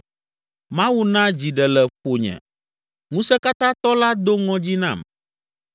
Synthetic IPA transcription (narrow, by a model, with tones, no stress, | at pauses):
mã˦wu˦nã˦d͡ʑi˨ɖɛ˨lɛ˨ɸo˨ɲɛ̰̃˨ | ŋũ˦sɛ˦ka˦t̪ã˦t̪ɔ˦la˦d̪o˦ŋɔ̃˦d͡ʑi˦nã̰˦˨m